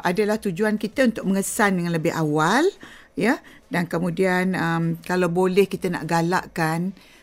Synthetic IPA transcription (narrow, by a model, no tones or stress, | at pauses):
ʔadalaht̪ud͡ʒuankit̪əunt̪ʊk̚məŋəsandəŋanləbɪha̰wal | ja | dankəmũdianəmkalawbolɛhkit̪əna̰ʔɡala̰ʔkan